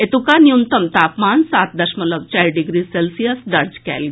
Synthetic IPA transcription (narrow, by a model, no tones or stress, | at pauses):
et̪ukaniunt̪əmt̪apmansat̪̚d̪əɕmələɡ̚t͡ɕaɾɖiɡɾiːselsijəsd̪əɾd͡ʑkɛ̰lɡ